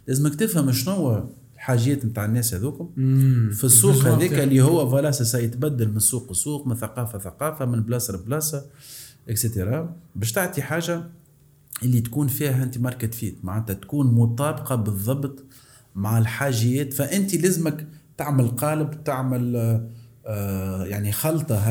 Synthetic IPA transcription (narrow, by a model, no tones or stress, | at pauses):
læːzməkt̪ɪfhəmʃnʊwːæ | lħaːʒjɛːt̪mt̪aːʕənːɛːshæðuːkʊmfisˤːuːqhæðiːklːihʊwːævɑlɑːsɑsɑjɪt̪bæd̪ːalmɪnsˤːuːqəsˤːuːqmɪnθaqɑːfaθaqɑːfamɪnblɑːsɑɾblɑːsɑʔɪkset̪eɾˤɑbɛːʃt̪aʕt̪iħaːʒa | ʔɪlːit̪kuːnfiːhæʔɪnt̪imɑɾˤkɪt̪fiːt̪maʕanːt̪æt̪kuːnmʊt̪ˤɑːbqɑbɨðˤːɑbt̪ˤ | maʕalħaːʒɪjɛːt̪fæʔɪnt̪ilæzməkt̪aʕməlqɑːləbwt̪aʕmɪl | jaʕnixɑlt̪ˤɑɦ